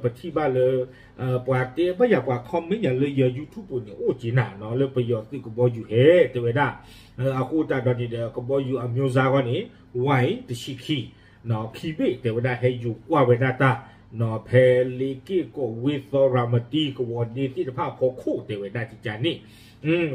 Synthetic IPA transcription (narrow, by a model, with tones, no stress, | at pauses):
pə˨tʰi˧˨ba˦˧˨lə˧ | ʔə˨pa˨t̪e˦ba˦˨ja˨pa˨kʰɔ˧˦me˦ɲã˨lə˧˨jə˧˨ju˧˨t̪ʰu˦˨pːo˨ne˨ʔo˦˨t͡ɕe˨˦nã˨nɔ˨˦lə˧pə˨jɔ˨t̪ɨ˧˨kə˨bɔ˧˦ju˧˨hɛ˧˦t̪ɛ˨wɛ˨da˧˨ | ə˧˨ʔa˨ko˦o˦˨ta˧˨dɔ˧˨nĩ˨də˨kə˧˨bɔ˧˦ju˧˨ʔa˨mjo˧˦za˧kɔ˦˨ne˨˦ | wã˧˨jt̪ə˨ʃi˧˨kʰi˧˨ | nɔ˨˦kʰi˧˨be˦˨t̪ɛ˨wɛ˨da˧˨ɦɛ˧˨ju˨kwa˧˨wɛ˨da˧˨t̪a˧˨ | nɔ˨˦pʰɛ˧le˧˨ke˦˨kɔ˨we˦θɔ˧ɾa˨mə˨ti˧˨kə˨wɔ˨de˧t̪i˦˨tə˨pʰa˦˨kʰɔ˧˦kʰo˦˨t̪ɛ˨wɛ˨da˧˨ti˨t͡ɕa˨nẽ˦˨˧